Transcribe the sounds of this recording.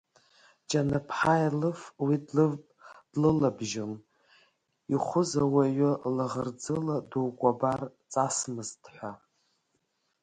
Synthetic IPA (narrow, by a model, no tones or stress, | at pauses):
t͡ʃʼanɨpʰħajlɨfwidlɨd̥lɨlabʒɪm | iχʷʊzawaɥʷʊlaʁərd͡zɨladuwkʷʼabart͡sʼasmɨzdħʷa